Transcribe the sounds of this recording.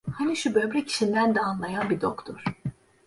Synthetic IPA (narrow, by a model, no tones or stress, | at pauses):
haniʃubø̞bɾɛcʰi̥ʃind̪ænd̪ɛanlˠajanbid̪okt̪ʰoɾ̥